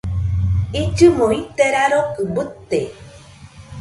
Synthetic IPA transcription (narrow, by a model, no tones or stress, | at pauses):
it͡ʃɨmoit̪eɾaɾokɨmbɨt̪ːe